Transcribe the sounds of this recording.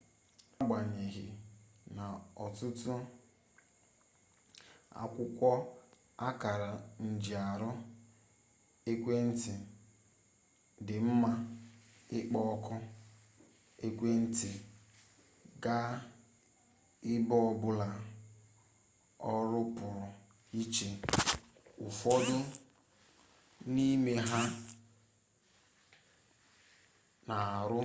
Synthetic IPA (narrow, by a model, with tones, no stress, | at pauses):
a˦ɡ͡ba˨ɲe˨ɣɪ˨na˨ɔ˨tʊ˦tʊ˦ | a̰˨kʷʊ˦kʷɔ˦ | a˦ka˨ɾa˨n̩˨d͡ʒi˨a˨ɾʊ˦ | e˦kʷe˦n̩˦tɪ˨ | dɪ˨m̩˦ma˦ | ɪ˦k͡pɔ˦ɔ˦kɔ˦ | e˦kʷe˦n̩˦tɪ˨ | ɡa˦ | ɪ˦bɔ˦ɔ˨bʊ˦la˨ | ɔ˦ɾʊ˦pʊ˨ɾʊ˨ | i˦t͡ʃe˨ | ʊ˨fɔ˦dʊ˦ | ni˦me˦ɦa˦ | na˨a˨ɾʊ˦